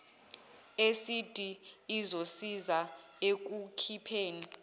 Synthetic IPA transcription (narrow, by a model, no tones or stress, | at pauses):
esid̥ʱʼiːzosiza | ek̬ukʰipʰeːni